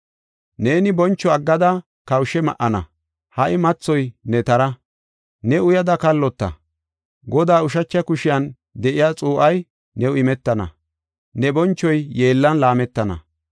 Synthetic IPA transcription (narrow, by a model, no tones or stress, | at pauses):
ne̞ːnɪbɔnt͡ʃːɔɐɡːɐd̪ɐ | kɐwʃɛmɐʔɐnɐ̰ | hɐʔɪmɐt͡sːɔjnɛt̪ɐɾɐ | nɛʊjɐd̪ɐkɐlːɔt̪ːɐ̰ | ɡɔd̪aːʊʃɐt͡ʃːɐkʊʃɪjɐn | d̪ɛʔɪjat͡sʼuːʔɐj | nɛʊɪmɛt̪ːɐnɐ̰ | nɛbɔnt͡ʃːɔjjeːlːɐnlaːmɛt̪ːɐnɐ̰